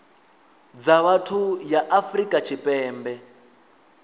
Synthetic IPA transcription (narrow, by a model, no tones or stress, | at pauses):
d͡zaβatʰujaʔafrikʼat͡ʃʰipʼɛːmbɛ